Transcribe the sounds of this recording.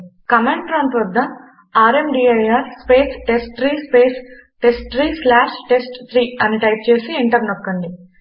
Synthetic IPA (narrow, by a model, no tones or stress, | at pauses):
kɐmeɳʈʈɾaːnt̪ɐɾd̪ːɐ | aːɾemɖiːɐjaːɾspeːsʈesʈːɾiːspeːs | ʈesʈʈɾiːslaːʂʈesʈt̪ʰɾiːɐniʈɐjp̚t͡ʃe̞ːsiiɳʈɐɾnokːɐɳɖi